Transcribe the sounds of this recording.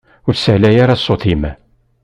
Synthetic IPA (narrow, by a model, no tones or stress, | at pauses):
ʊɾsəʕlæjaɾasˤːoθimæ